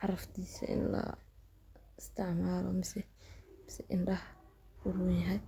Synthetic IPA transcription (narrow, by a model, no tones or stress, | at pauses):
ʕɑɾɐft̪ʰiːsɐ̰ʔɪ̰nlɐ̰ | ɪst̪ʰɪʕmaːlɔ̰mɪsɛmɪsɛʔɪnɖɐh | wʊrʊjɐɦɛj